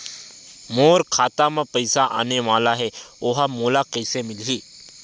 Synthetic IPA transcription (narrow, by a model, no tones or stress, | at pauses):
moːɾkʰaːt̪amãpəjsaʔa̰neʋaːlaɦeoɦamoːlakəjsemɪlɦiː